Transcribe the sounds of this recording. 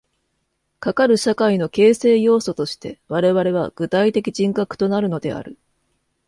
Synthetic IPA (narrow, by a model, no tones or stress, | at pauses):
kakaɾɯ̟ɕakaino̞ke̞ːse̞ːjo̞ːso̞t̪o̞ɕi̥t̪e̞βaɾe̞βaɾe̞β̞a̰ɡ̥ɯ̟t̪ait̪e̞kʲiʑĩŋkakɯ̟̥t̪o̞naɾɯ̟no̞d̪e̞a̰ɾɯ̟